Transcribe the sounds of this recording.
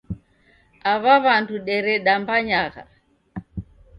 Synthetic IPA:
aβaβanduɗɛɾɛɗambaɲaɣa̰

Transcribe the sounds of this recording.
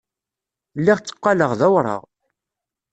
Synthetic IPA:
lːiʁt͡sːə̥qːɑləʁðæwɾˤə̰ʁ

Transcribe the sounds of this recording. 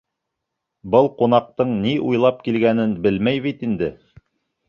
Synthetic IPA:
bɤlˠqunɑq̚t̪ɤɴniʔujlˠɑp̚kilɡænɘnbɘlmæjβit̪ind̪ɘ

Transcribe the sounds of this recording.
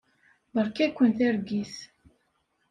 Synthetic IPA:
bəɾˤkækʷːənθæɾɡis

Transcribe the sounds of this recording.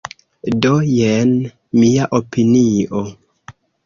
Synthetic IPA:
dojen | miaʔopiniʔo

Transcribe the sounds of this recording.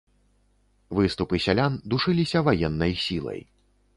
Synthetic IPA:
vɨst̪upɨsʲalʲand̪uʂɨlʲisʲɐvajɛnːɐjsʲilˠɐ̰j

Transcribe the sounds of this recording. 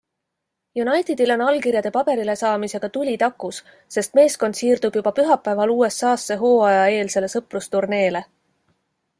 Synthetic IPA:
junɑjt̪id̪̥ilo̞nɑlkirjɑd̪e̞pɑbe̞ɾile̞sɑːmise̞ɡ̥ɑt̪ulʲit̪ɑkːˑusː | e̞st̪me̞ːsko̞nd̪̥siːrd̪̥ub̥jub̥ɑpyɦɑpːˑæevɑluːe̞sɑːsːe̞ɦo̞ːɑjɑe̞ːlse̞le̞sɤprust̪urne̞ːle̞

